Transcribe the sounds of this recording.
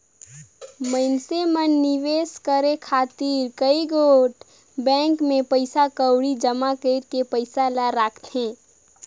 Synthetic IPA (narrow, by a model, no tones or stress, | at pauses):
məɪnsemənːiʋeːskəɾekʰaːt̪iɾkəiɡoʈ | bɛ̃ːŋkmẽpəɪsakəwɽid͡ʒəmakəɪɾkepəɪsalaɾaːkʰt̪ɦẽː